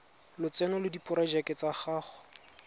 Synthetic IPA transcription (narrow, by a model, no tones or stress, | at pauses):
lʊt͡sɛnɔlʊdipʼʊɾad͡ʒakɪt͡saχaːχɔ̥